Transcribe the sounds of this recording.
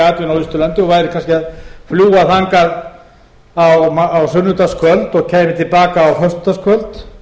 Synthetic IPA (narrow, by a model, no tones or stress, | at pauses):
aːt̪jʏnawist̪ʏlant̪ɪɔɣvaːjɾɪkʰans̬cɪaðfljuːaθaŋkað | awmaawsʏnːʏt̪askʰœlt̪ɔɣcʰɛːjmɪt̪ʰɪlpaːkaːwhœst̪ʏ̥t̪askʰvœlt̪